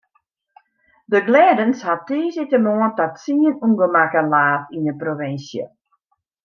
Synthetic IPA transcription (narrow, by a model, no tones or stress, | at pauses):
dəɡlɛːdənshatiːzɪtəmoəntatsiənuŋɡəmakənlaːtinəproʋɪnsjə̰